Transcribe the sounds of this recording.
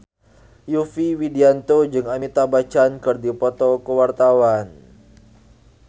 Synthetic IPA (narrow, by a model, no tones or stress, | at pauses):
jufiwidiant̪od͡ʒɨŋamit̪abat͡ʃankɨrdipɔt̪ɔkəwart̪awan